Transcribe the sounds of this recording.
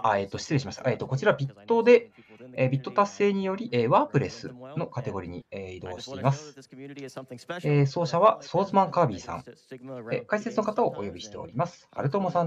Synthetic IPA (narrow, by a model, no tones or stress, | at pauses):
et̪ːo̞ɕi̥t͡sɨɾe̞ɕimaɕi̥t̪a̰ʔe̞ːt̪ːoko̞t͡ɕiɾaβbʲit̪ːo̞d̪e̞ebʲit̪ːo̞t̪ase̞ːɲ̟ijo̞ɾʲiʔeːβaːpɯ̟ɾe̞sɨ̰no̞kat̪e̞ɡo̞ɾʲiɲ̟ḭeid̪o̞ːɕi̥t̪e̞imasɨ̥ | eso̞ːɕaβaso̞ːzɨmãŋkaːbʲiːsã̰ŋekaise̞t͡sɨno̞kat̪ao̞̰ʔo̰jo̞bʲiɕi̥t̪e̞o̞̰ɾʲimasɨ̥a̰ɾɯ̟t̪o̞ːmosã